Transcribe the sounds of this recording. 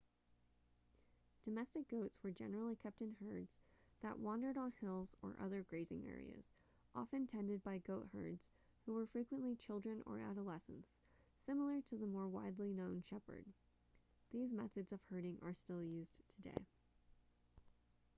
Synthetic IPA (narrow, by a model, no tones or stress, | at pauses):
d̥ɨmɛstɨk̚ɡ̥oʊtswə˞d͡ʒɛnə˞l̩ˠikʰɛp̚tɨ̃nhɜ˞dz̥ | ðə̰ʔwɑ̃ndə˞ɾn̩hɪlˠzə̰˞ʔʌ̰ðə˞ɡɹeɪzɪ̰̃ŋɛ̰ɹḭɨ̰z̥ | ʔɑ̰fɨ̃ntʰɛ̃ndɨd̚baɪɡoʊʔ̚hɜ̰˞dz̥ | huwə˞fɹikwə̃nʔlit͡ʃʰɪlˠdɹɨ̃nə̰˞æɾəlɛsə̰̃n̩s | ɪ̃ml̩ˠə˞ɾɨðəmɔɹwa̰ɪdˡlinõʊ̃nʃɛpə̰˞d̪̚ | ðizmɛθɨdzʌv̥hɜ˞ɾɪ̃ŋʔə˞stɪlˠjʉztʰɨdḛɪ